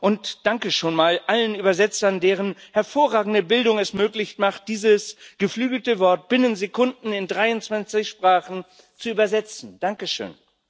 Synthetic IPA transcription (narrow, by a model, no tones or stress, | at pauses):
ʔʊntd̥aŋkəʃoːnmaːlʔalənʔyːbɐzɛt͡sɐndeːʁ̞ənhɛɐfoːɐʁaːɡŋ̩dəbɪldʊŋɛsmøːklɪçtmaχt̚d̥iːzəsɡ̥əflyːɡl̩təvɔɐt̚b̥ɪnənzekʰʊndn̩ɪndʁaɪʊnt͡sv̥ant͡sɪçʃpʁ̥aːχn̩ | t͡suyːbɐzɛt͡sn̩d̥aŋkəʃø̰ːn